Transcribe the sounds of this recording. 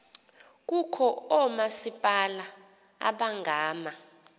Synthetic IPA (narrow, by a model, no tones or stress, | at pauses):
k̬ukʰɔɔmasipʼala̰ː | ɓaŋɡʱaːma